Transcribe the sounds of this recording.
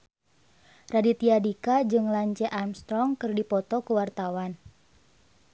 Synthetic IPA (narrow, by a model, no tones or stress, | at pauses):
radit̪iadikad͡ʒɨŋlaɲt͡ʃɛʔamst̪ɾɔŋkɨrdipɔt̪ɔkuwart̪awan